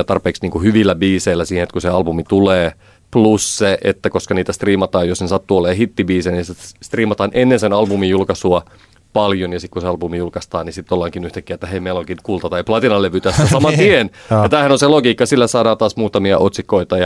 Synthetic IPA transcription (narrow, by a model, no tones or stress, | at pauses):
ɑt̪ɑrpeːksniːŋkuhyʋilːæbiːseilːˑæsiːhenet̪kuseɑlbumit̪uleː | plusseʔḛt̪ːækoskɑniːt̪æst̪riːmɑt̪ɑːjosnesɑt̪ːuolːˑeːhit̪ːibiːseːnisest̪riːmɑt̪ɑːnʔenːensenɑlbumijjulkɑsuɑ | pɑljonjɑsikkuseɑlbumijulkɑst̪ɑːnisit̪ːolːɑŋkinyht̪ækːiæet̪ːæheimeiloŋkinkult̪ɑt̪ɑiplɑt̪inɑlːeʋyt̪æsosɑmɑt̪ienjɑt̪æːhænonseloɡiːkːɑsilːæsɑːdɑːt̪ɑːsmuːt̪ɑmiɑʔot̪sikːˑoit̪ɑjɑ